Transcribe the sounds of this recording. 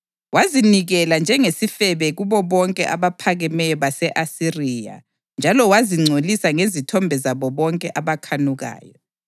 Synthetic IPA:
waziniɣɛland͡ʒʱɛŋesifɛβɛɣuβɔβɔŋkʼɛ̰ʔaβapʰaɣɛmɛjɔβasɛʔasirija̰ | nd͡ʒʱalɔwaziŋ͡ǀʱolisaŋezitʰɔmbʱɛzaβɔβɔŋkʼɛʔaβakʰanuɣa̰ːjɔ

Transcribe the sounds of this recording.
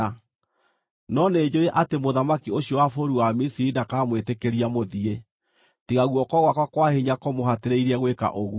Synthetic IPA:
nɔneːd͡ʑoɾeʔatemoðamakioɕjɔwafoɾuwamisiɾidakaːmwetekeɾiamoðie | tiɣaɣwɔkɔɣwakwakwahiɲakɔmoɦateɾeiɾɛɣweka̰ʔoɣu

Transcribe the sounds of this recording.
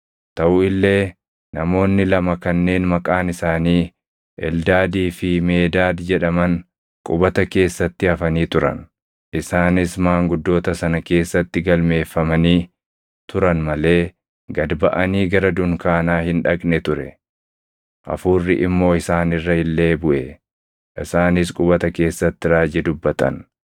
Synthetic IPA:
t̪ɐʔʊɪlːe̞ː | nɐmo̞ːnːɪlɐmɐkɐnːe̞ːnmɐkʼaːnɪsaːniː | ʔɛ̰ld̪aːd̪iːfɪme̞ːd̪aːd̪d͡ʒɛᶑɐmɐn | kʼʊbɐt̪ɐke̞ːsːɐt̪ːɪɐfɐniːt̪ʊɾɐ̰n | ʔɪsaːnɪsmaːŋɡʊd̪ːo̞ːt̪ɐsɐnɐke̞ːsːɐt̪ːɪɡɐlme̞ːfːɐmɐniː | t̪ʊɾɐnmɐle̞ː | ɡɐd̪bɐʔɐniːɡɐɾɐd̪ʊŋkaːnaːhɪnᶑɐkʼnɛt̪ʊɾɛ | ʔɐ̰fuːrːɪʔɪmːo̞ːɪsaːnɪrːɐhɪlːeːbʊʔɛ | ʔɪsaːnɪskʼʊbɐt̪ɐke̞ːsːɐt̪ːɪɾaːd͡ʒɛd̪ʊbːɐt̪ɐ̰n

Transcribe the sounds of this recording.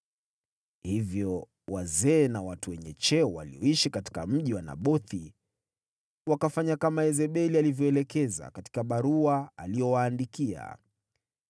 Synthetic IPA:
hivjɔ | wazɛːnawatuwɛɲɛt͡ʃɛwa̰liɔiʃikati̥kam̩ʄiwana̰ɓɔθi | wakafaɲakamaɛzɛɓɛlialivjɔɛlɛkɛza̰kati̥kaɓaɾuaalijɔwaːndikia̰

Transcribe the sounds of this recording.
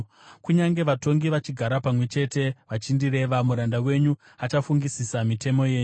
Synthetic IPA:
kuɲaŋɡe̞ʋato̞ŋɡiʋat͡ʃiɡʱaɾapamwe̞t͡ʃe̞te̞ʋat͡ʃindiɾe̞ʋamuɾandawe̞ɲu | at͡ʃafuŋɡisisamite̞mo̞je̞ːɲu

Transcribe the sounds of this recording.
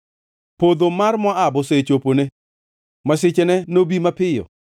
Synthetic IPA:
pod̪omarmɔabɔset͡ʃopone | masɪt͡ʃenɛnobimapɪjɔ̰

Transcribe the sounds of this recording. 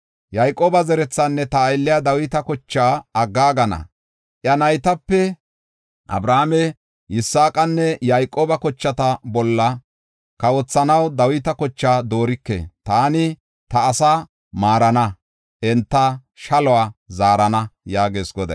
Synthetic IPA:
jajkʼoːbɐzɛɾɛt͡sːanːɛt̪ɐːjlːɪjad̪ɐwɪt̪ɐkɔt͡ʃːaːɐɡːaːɡɐnɐ̰ | ʔjɐnɐjt̪ɐpːɛ | ʔɐ̰bɾaːmɛ | ʔɪsːaːkʼɐnːɛjajkʼːoːbɐkɔt͡ʃːɐt̪ɐbɔlːɐ | kɐwɔt͡sːɐnɐwd̪ɐwɪt̪ɐkɔt͡ʃːaːd̪o̞ːɾɪkːḛːt̪aːnɪ | t̪ɐːsa | maːɾɐnɐ | ʔɛnt̪ːɐ | ʃɐlɔaːzaːɾɐnɐjaːɡe̞ːsɡɔd̪ɐ̰

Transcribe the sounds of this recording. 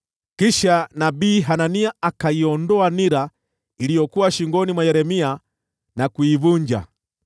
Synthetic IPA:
kiʃanabiːɦananiaakaiɔndɔaniɾa | ilijɔkuwaʃiŋɡɔnimwajɛɾɛmia | nakuivuɲd͡ʒa̰

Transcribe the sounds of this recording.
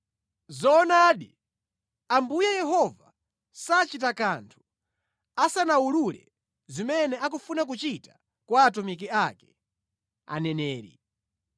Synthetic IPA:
zɔnaːɗi | ambujajɛɦɔva | sat͡ʃitakantʰu̥ | asanawululɛ̰ | zimɛnɛak̬ufunak̬ut͡ʃitḁ | kwaːtumikiakɛ̥ | a̰nɛnɛːɾḭ

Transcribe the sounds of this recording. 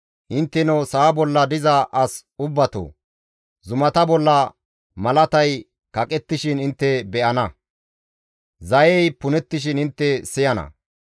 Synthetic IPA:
ʔɪnt̪ːɛnɔsaːbɔlːɐd̪ɪzɐʔɐsʊbːɐt̪o̰ː | zʊmɐt̪ɐbɔlːɐ | mɐlɐt̪ɐj | kɐkʼɛt̪ːɪʃɪnɪnt̪ːɛbɛʔɐnɐ | zɐjɛjpʊnɛt̪ːɪʃɪnɪnt̪ːɛsɪjɐnɐ̰

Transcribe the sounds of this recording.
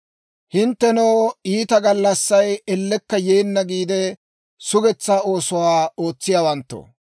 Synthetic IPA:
hɪnt̪ːɛnɔwiːt̪ɐɡɐlːɐsːɐjɛlːɛkːɐjeːnːɐɡiːd̪ɛ | sʊɡɛt͡sːaːo̞ːsʊwaːo̞ːt͡sːɪjaːwɐnt̪ːo̰

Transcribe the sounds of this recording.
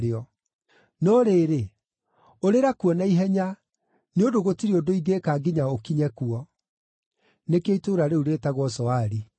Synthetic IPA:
eɔ | nɔɾeːɾe | oɾeɾakuwɔnaiɦɛɲa | neodoɣotiɾiodoiɡekaːɡiɲaokiɲɛkuɔ | nekeitoɾaɾeuɾetaɣwɔsɔaɾi

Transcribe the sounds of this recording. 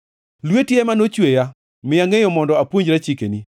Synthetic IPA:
lwetjemanot͡ʃweja | mɪjaŋejɔmɔndɔapwoɲd͡ʒɾat͡ʃikeni

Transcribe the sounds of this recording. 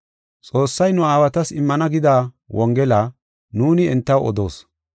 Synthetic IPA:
t͡sʼo̞ːsːɐjnʊaːwɐt̪ɐsɪmːɐnɐɡɪd̪aː | wʔɔŋɡɛlaː | nuːnɪɛnt̪ːɐwɔ̰d̪oːs

